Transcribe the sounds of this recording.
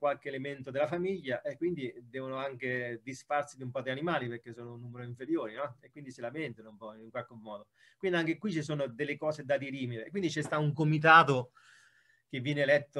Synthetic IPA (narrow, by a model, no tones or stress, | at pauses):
kwalkeːlement̪od̪elafamiʎːaʔekːwind̪id̪ɛːvonoaŋk̟ed̪isfarsid̪iumpɔd̪eanimaːliperk̟ːesːoːnounːuːmeɾoiɱfeɾjoːɾinɔekːwind̪isilament̪anoumpɔiŋkwalk̟emːɔːd̪o | kwind̪iaŋk̟ekwit͡ʃːisoːnod̪elːekɔːsed̪ad̪iɾiːmiɾekwind̪it͡ʃɛst̪auŋkomit̪̬aːt̪o | k̟evːjɛːnelɛt̪ːo